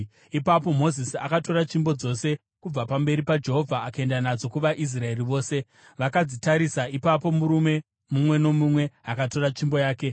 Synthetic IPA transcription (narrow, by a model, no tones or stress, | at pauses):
ipapo̞mo̞zisia̰kato̞ɾat͡ʃimbo̞d͡zo̞se̞ | kub͡vapambe̞ɾipad͡ʒe̞ɦo̞vʱaːkae̞ndanad͡zo̞kuʋaʔis̬rae̞riʋo̞ːse̞ | ʋakad͡zitaɾisaipapo̞muɾume̞ | mumwe̞no̞mumwe̞ɦakato̞ɾat͡ʃimbo̞jaːke̞